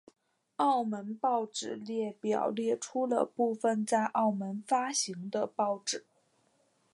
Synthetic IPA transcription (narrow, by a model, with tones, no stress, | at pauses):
ɑ˥˩ʊmə˧˥npɑ˥˩ʊʈ͡ʂɻ̩˨˩˦ljɛ˥˩pjɑ̰˨˩ʊljɛ˥˩ʈ͡ʂʰu˥lə̰˨pu˥˩fə˧nt͡sa˥˧ɪʔɑ˥˩ʊmə˧˥nfa˥ɕi˧˥ŋd̪ə˧pɑ˥˩ʊʈ͡ʂɻ̩˨˩˦